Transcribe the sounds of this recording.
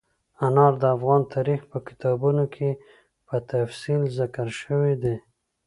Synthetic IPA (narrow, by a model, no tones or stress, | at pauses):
anɑɾd̪əafɣɑnt̪ʰɑɾixpəkɪ̥t̪ɑbunokʰe | pət̪afsilzakəɾʃəwed̪e